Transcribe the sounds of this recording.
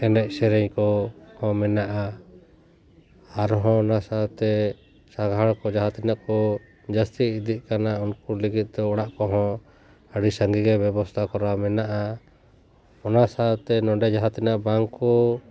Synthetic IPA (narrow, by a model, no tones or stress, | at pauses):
ɛnɛc̪̚sɛɾɛɲkɔhɔ̃mɛnaʔa | aɾɔɦɔ̃nasat̪ɛ | saɡʱaɽkɔd͡ʒaɦat̪inaʔkɔ | d͡ʒast̪iːd̪iʔ̪̚kanaunkuliɡit̪̚d̪ɔːɽaʔkɔɦɔ̃ | əɽisəŋɡiɡɛbɛbɔst̪ʰakɔɾamɛnaʔa | ɔnasat̪ɛnɔɖɛd͡ʒaɦat̪inaʔbaŋkɔ